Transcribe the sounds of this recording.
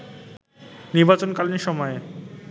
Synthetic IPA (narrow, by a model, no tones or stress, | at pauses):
niɾbat͡ɕonkalniʃɔmɔe